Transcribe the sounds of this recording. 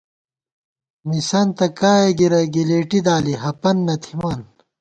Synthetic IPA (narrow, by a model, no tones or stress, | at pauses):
misɐnt̪ɐkaːjeɡiɾɐɡileːʈid̪aːliɦɐpɐnːɐt̪ʰimaːn